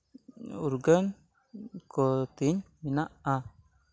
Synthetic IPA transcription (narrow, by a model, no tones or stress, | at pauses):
uɾɡən | kot̪iɲminaa